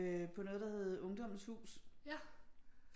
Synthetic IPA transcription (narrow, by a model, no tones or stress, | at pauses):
pʰɒ̽no̽ːð̞̩ˠd̥ɑ̈heð̞̩ˠɔ̽ŋd̥ɒ̽m̰n̩shṵːs